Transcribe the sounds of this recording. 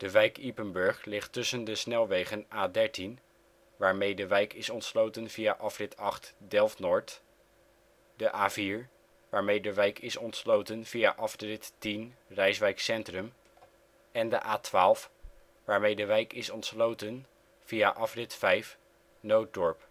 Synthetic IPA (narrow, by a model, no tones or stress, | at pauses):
d̥əʋɛjkipənbɵɹχlɪχtɵsəndəsnɛlˠʋejχənʔaːdɛɹtin | ʋaːɹmejdəʋɛjkɪsɔntslowtənvijaʔɑfrɪtʰɑχtdɛlˠfnɔɹt | dəʔaːviːɹ | ʋaːɹmejdəʋɛjkɪsɔntslowtənv̥ijaʔɑfdrɪttinrɛjsʋɛjksɛntrəm | ɛndə̰ʔaːtʋaːlˠf | ʋaːɹmejdəʋɛjkɪsɔntslowtən | v̥ijaʔɑfrɪtfɛjf | nowt̚dɔɹp